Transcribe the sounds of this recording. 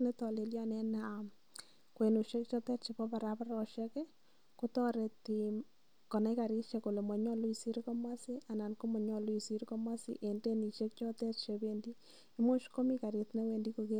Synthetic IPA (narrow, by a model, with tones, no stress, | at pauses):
ne˦t̪ɔ˨le˨lja˦nɛ˦na | kwe˨nu˨ʃe˦kt͡ʃɔ˦t̪ɛ˦tt͡ʃi˨pɔ˦pa˨ɾa˦pa˦ɾɔ˨ʃɛ˦ke˦ | ku˦t̪ɔ˦ɾe˨t̪i | kɔ˨na˦ka˨ɾi˦ʃe˨ko˨le˨mɔ˨ɲɔ˦lu˦i˨si˦ɾkɔ˦mwa˦si˦a˨na˨nku˦mɔ˨ɲɔ˦lu˦i˨si˦ɾkɔ˦ma˦sḭ˦ʔe˨nde˦ni˨ʃe˦k̚t͡ʃɔ˦t̪ɛ˦tʃe˧bendi˦ | i˦mo˦ʃko˦mi˦ka˨ɾi˨t̪ne˦we˨ndi˦ko˧ke˦